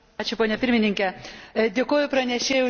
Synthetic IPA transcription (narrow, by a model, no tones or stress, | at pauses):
ɑːt͡ʃʲʊpoːnʲɛpʲɪɾʲmʲɪnʲɪŋʲkʲɛd̪ʲeːkoːjʊpɾɐnʲɛʃʲeːjɛʊ